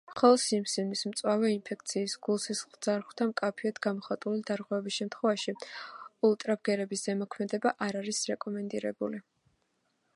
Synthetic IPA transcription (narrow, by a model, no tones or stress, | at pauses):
mχɔlˠɔd̪simsinismt̪sʼwavɛinpʰɛk̚ʰt̪sʰiːsɡulˠsisχlˠd̪zaɾʁwt̪ʰamkʼapʰiɔd̪ɡamɔχat̪ʼulid̪aɾʁwɛvɛbisʃɛmt̪ʰχwɛvaʃiulˠt̪ʼɾab̚ɡɛɾɛbisz̥ɛmɔkʰmɛd̪ɛbaʔaɾaɾisɾɛkʼɔmɛnd̪iɾɛbuli